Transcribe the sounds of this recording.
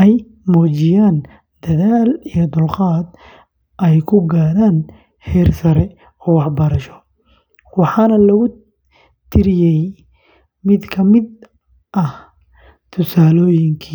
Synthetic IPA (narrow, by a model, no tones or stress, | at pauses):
ʔɛj | mɔːt͡ʃɪjaːn | d̪ɐðaːlijɔd̪ʊlqɑːd̪̚ | ʔɛjkʰʊɡaːɾaːn | hɛːrsɐɾɛ | ɔːwɑħbɐɾɐʃɔ̥ | wɑħɑːnɐlɐɣʊ | t̪ʰɪɾɪjɛj | mɪd̪kʰɐmɪd̪ | ʔɐh | t̪ʰʊsaːlɔːjɪŋkʰi